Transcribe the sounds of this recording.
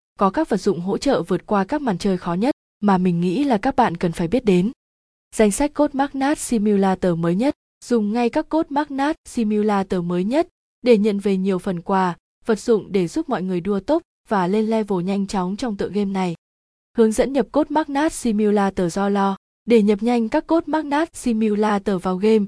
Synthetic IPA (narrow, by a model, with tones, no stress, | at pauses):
kɔ˨˦kaː˦˥k̚və˨˩t̚z̥ʊ̰˧˨ŋ͡mɦo̰˧˥t͡ɕə̰ː˧˨vɨ˨˩ət̚kwaː˧kaː˦˥k̚ma̰ː˧˨nt͡ɕəː˧jxɔ˨˦ɲə˦˥t̚ | maː˨˩mï˨˩ŋ̟ŋḭ˧˥laː˨˩kaː˦˥k̚ɓa̰ː˧˨nkə˨˩nfaː˧˩jɓi˦˥ət̚ɗe˨˦n | z̥a˧jŋ̟sa˦˥k̟̚ko˦˥t̚maː˦˥k̚naː˦˥t̚si˧mi˧wlaː˧t̪əː˨˩məː˨˦jɲə˦˥t̚ | z̥ʊ˨˩ŋ͡mŋa˧jkaː˦˥kːo˦˥t̚maː˦˥k̚naː˦˥t̚si˧mi˧wlaː˧t̪əː˨˩məː˨˦jɲə˦˥t̚ | ɗe˧˩ɲə̰˧˨nve˨˩ɲi˨˩əwfə˨˩nkwaː˨˩ | və˨˩t̚z̥ʊ̰˧˨ŋ͡mɗe˧˩zu˦˥p̚mɔ̰˧˨jŋɨ˨˩əjɗu˧ət̪o˦˥p̚ | v̥aː˨˩le˧nlɛ˧vo˨˩ɲa˧jŋ̟t͡ɕɔ˨˦wŋ͡mt͡ɕɔ˧wŋ͡mt̪ɨ̰˧˨ə˨ŋɣe˧mna˨˩j | hɨ˨˦əŋzə̰˧˥nɲə˨˩p̚ko˦˥t̚maː˦˥k̚naː˦˥t̚si˧mi˧wlaː˧t̪əː˨˩zɔ˧lɔ˧ | ɗe˧˩ɲə˨˩p̚ɲa˧jŋ̟kaː˦˥kːo˦˥t̚maː˦˥k̚naː˦˥t̚si˧mi˧wlaː˧t̪əː˨˩vaː˨˧˩wɣe˧m